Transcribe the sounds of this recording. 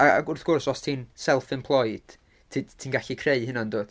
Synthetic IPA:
aa̰ɡʊrθɡ̥ʊrsɔstʰiːnsɛlˠfɪmpʰlˠɔjd̥ | tʰitʰiːnɡaɬikʰreɨhɪnandoːd̥

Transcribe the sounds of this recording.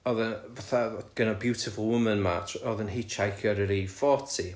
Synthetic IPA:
ɔðənvaθaɡ̥ənabjuwtʰɪfəlˠwʊmənma̰tʰɔðənɦɪt͡ʃʰajkʰjɔɾəɾifɔtʰi

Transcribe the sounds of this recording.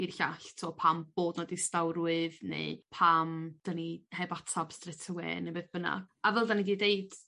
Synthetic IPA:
irɬaɬtʰuɔpʰamb̥oːdnɔdistawɾwɨðnḛɨpʰamd̥anihɛvatʰab̥strɛtʰəwɛ̰nebeːðb̥əna̰avɛlˠdaniɡiːdejd̥

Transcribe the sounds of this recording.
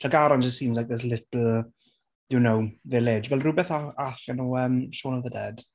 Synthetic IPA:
ʃʰaɡaɾɔnd͡ʒəstsiːmzlajk̚ðɛs̬lɪtl̩ˠ | dɪnowvɛːleːd͡ʒvɛlˠrubɛθaaɬanuːəmʃoːnɔvðədɛd̥

